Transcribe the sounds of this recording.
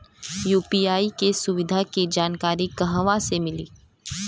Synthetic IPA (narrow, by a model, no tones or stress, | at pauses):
juːpiːaːikesʊʋɪd̪ʱaked͡ʒaːnkaːɾikɐɦəʋãsemɪliː